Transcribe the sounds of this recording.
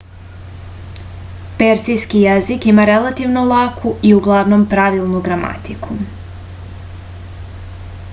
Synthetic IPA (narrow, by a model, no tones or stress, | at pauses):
peɾsijskijezikimaɾelˠat̪iʋno̞lˠakʰuʔiuɡlˠaʋno̞mpɾaʋilˠnuɡɾama̰t̪ikʰu